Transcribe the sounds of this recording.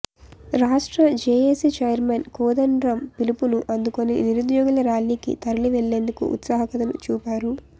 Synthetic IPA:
ɾaːʂʈɾɐd͡ʒeːjesit͡ʃɐjɐɾmenkuːd̪ɐnɖɾɐmpilipunuʔɐnd̪ukonḭniɾud̪jɔːɡulɐɾaːlːiːkḭt̪ɐɾɐliʋeɭːe̞ːnd̪ukṵʔṵt̪saːɦɐkɐt̪ɐlṵt͡ʃuːpʲaːɾu

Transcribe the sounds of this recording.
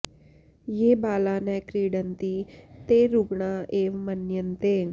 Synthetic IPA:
jeːbaːlaːnɛkɾiːɽənt̪it̪eɾuɡɳaeːʋmɐnjənt̪e

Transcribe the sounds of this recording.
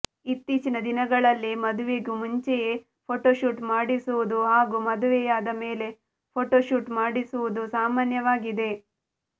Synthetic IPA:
it̪ːiːt͡ʃinɐd̪inɐɡɐɭɐlːimɐd̪uʋeɡumuɲt͡ʃeje | pʰoːʈoːʃuːʈmaːɽisuʋud̪uɦaːɡumɐd̪uʋɛjaːd̪ɐme̞ːle̞ | pʰoːʈoːʃuːʈmaːɽisuʋud̪usaːmaːnjɐʋaːɡid̪e̞

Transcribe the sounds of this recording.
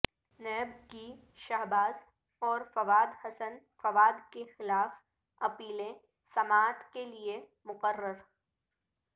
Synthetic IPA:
nɛːb̚ki | ʃaɦbaːz | ɔːɾfɐʋaːd̪hɐsən | fɐʋaːd̪kexɪlaːf | ɐpiːlẽ | sɐmaːt̪kelie | mʊqərːəɾ

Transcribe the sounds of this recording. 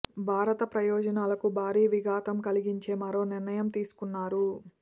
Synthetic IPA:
bʱaːɾɐt̪ɐpɾɐjɔːd͡ʒɐnaːlɐkubʱaːɾiːʋiɡaːt̪ɐmkɐliɡiɲt͡ʃe̞ːmɐɾo̞ːniɾnɐjɐmt̪iːsu̥kunːaːɾu

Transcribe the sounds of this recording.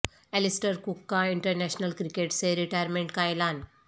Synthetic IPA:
ɛlisʈəɾkukːaiɳʈəɾnæɕnəlkɾikeʈseɾiʈajəɾmẽɳʈkajlan

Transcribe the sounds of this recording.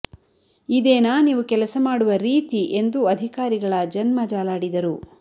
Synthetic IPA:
id̪eːnaːniːʋukɛlɐsɐmaːɽuʋɐɾiːt̪iʔe̞nd̪uɐd̪ʱikaːɾiɡɐɭɐd͡ʒɐnmɐd͡ʒaːlaːɽid̪ɐɾu

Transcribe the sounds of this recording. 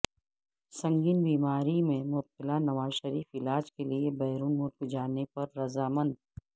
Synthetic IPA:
sɐ̃ŋɡiːnbiːmaːɾimẽmʊb̚t̪ɪlanɐʋaːzʃəɾiːfɪlaːd͡ʒkeliebɛːɾuːnmʊɾkd͡ʒaːnepɐɾːɐzaːmə̃nd̪̚

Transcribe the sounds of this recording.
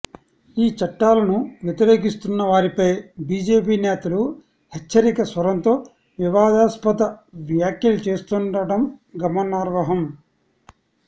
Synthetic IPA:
iːt͡ʃɐʈːaːlɐnuʋjɛt̪iɾe̞ːkist̪unːɐʋaːɾipɐjbiːd͡ʒe̞ːpiːnɛːt̪ɐlu | hɛt͡ʃːɐɾikɐsʋɐɾɐnt̪o̞ː | ʋiʋaːd̪aːspɐt̪ɐʋjaːkjɐlut͡ʃe̞ːst̪unɖɐɽɐmɡɐmɐnaːɾʋɐɦɐm

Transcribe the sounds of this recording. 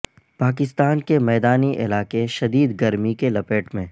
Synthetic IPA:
paːk̬ɪst̪aːnkemɛːd̪aːniʔɪ̰laːkeʃɐd̪iːd̪ɡɐɾmikelɐpeːʈmẽ

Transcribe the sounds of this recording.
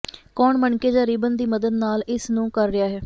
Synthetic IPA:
kɔːɳməɳkeːd͡ʒaːɾiːbənd̪iːməd̪əd̪naːlɪsnũːkəɾːɪjaːɦɛː

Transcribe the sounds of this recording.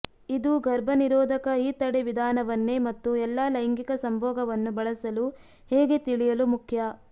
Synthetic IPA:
id̪uɡʱɐɾbʱɐniɾɔːd̪ʱɐkɐiːt̪ɐɽeʋid̪ʱaːnɐʋɐnːeːmɐt̪ːuɛlːaːlɐjŋɡikɐsɐmbʱɔːɡɐʋɐnːubɐɭɐsɐlu | hɛːɡe̞t̪iɭijɐlumukʰjɐ

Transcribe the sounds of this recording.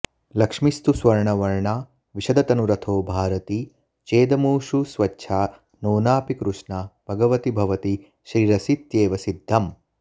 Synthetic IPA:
lɐkʂmist̪usʋɐɾɳɐʋɐɾɳaː | ʋiʃɐd̪ɐt̪ɐnuɾɐt̪ʰoːbʱaːɾɐt̪i | t͡ʃeːd̪ɐmuːʃusʋɐtːʃʰaː | noːnaːpikɾuʂɳaːbʱɐɡɐʋɐt̪ibʱɐʋɐt̪i | ʃɾiːɾɐsit̪jeːʋɐsid̪ʱːɐm

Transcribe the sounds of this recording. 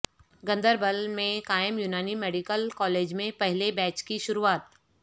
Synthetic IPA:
ɡɐ̃nd̪əɾbəlmẽkaːjəmjunaːnimeːɖikəlkɔːleːd͡ʒmẽpɛɦlebɛːt͡ʃkiʃʊɾuaːt̪̚

